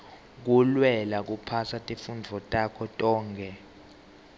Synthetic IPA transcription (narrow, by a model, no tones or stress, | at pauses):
k̬ulwɛlak̬upʰasatʼefund͡vʱɔtʼakʰɔtʼɔːŋkʰɛ